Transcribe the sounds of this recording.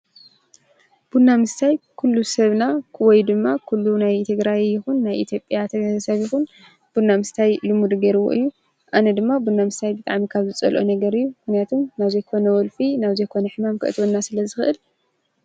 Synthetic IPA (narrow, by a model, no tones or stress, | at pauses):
b̥unːamɨst̪ʰajkʰulːusɐβnawɔjd̪ɨmːakʰulːunajt̪ʰɨɡɾajjɪxunːajʔḭt̪ʰjo̞pʼːjat̪ʰɐsɐβjɪxun | b̥unːamɨst̪ʰajlɨmud̪ɡɐɾɨβo̰ʔɨjːu | ʔanɐd̪ɨmːabunːamɨst̪ʰajbɨt̪ʼa̰ʕmikʰaβzɨt͡sʼɐ̰lʔo̰nɐɡɐɾɨjːumɨxnijat̪ʰomnaβzejkʰo̞nɐwɔlfinaβzejkʰo̞nɐħɨmamkʰɨʔɨ̰t̪ʰwonːasɨlɐzɨxɨʔɨl